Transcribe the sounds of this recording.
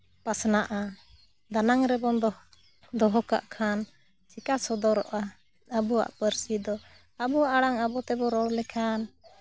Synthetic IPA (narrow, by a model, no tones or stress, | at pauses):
pasnaʔa | d̪anaŋɾɛbɔnd̪ɔ | d̪ɔɦɔka̰ʔkʰan | t͡ʃikasɔd̪ɔɾɔʔa | abuwa̰ʔpəɾsid̪ɔ | abuwaʔaɽaŋabɔt̪ɛbɔɾɔɽlɛkʰan